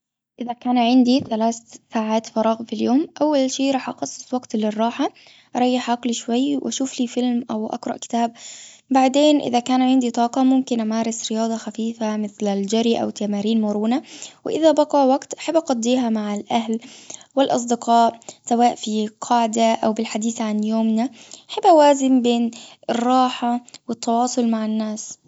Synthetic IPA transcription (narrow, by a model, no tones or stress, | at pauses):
ʔɪðakaːnʕɪnd̪iθalaːθsaːʕaːt̪fɑɾˤɑːɣmfiljoːmʔawːalʃiːʔɾˤɑːħʔɑqɑsˤːɨ̥sˤwaɡt̪lɪrˤːɑːħa | ʔɾˤɑjːɪħʔɑqliʃwajːwʔaʃuːfliːfɪlmʔawʔa̰ɡɾˤɑ̰ʔkɪ̥t̪aːb̚ | baʕd̪eːnʔɪ̰ðakaːnʕɪnd̪it̪ˤɑːqɑmʊmkɪnʔamaːɾˤɪsɾɪjɑːd̪ˤɑxafiːfamɪθlɪld͡ʒaɾiʔa̰wɪt̪ːamaːɾiːnmʊɾuːnawɪ̰ʔɪðabɑqɑwaɡt̪ʔaħabːʔɑqɑd̪ˤːiːɦamaʕalʔaɦlwɪlʔɑ̰s̬ˤd̪ɪqʰɑːʔsawaːʔfiqʰɑʕd̪aʔawbɪlħad̪iːθʕanjoːmnaʔaħabʔawaːzɪmbeːnʔɪrˤːɑːħawɪt̪ːɑwɑːsˤʊlmaʕɪnːaːs